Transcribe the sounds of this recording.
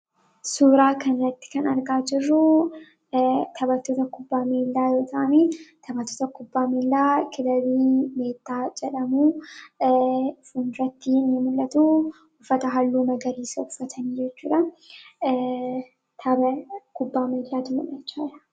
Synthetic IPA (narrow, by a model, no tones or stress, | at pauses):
suːɾaːkɐnɾɐt̪ːɪ̥kɐnɐɾɡaːd͡ʒɪrːʊ | t̪ʰɐbɐt̪ːoːt̪ɐkʊbːaːmeːlːaːjo̞ːt̪ʰɐʔɐniːt̪ʰɐbɐt̪ːoːt̪ɐkʊbːaːmeːlːaːkʰɪlɐβiːme̞ːt̪ːaːd͡ʒɛᶑɐmuː | fʊnɾɐt̪ːinːɪmʊlʔɐt̪uː | ʊfːɐt̪ɐɦɐlːuːmɐɡɐɾiːsɐʊfːɐt̪ʰɐniːd͡ʒɛt͡ʃːuːᶑɐ | t̪ʰɐbɐkʊbːaːmeːlːaːd̪ʊmɐmɛt͡ʃːaːᶑɐ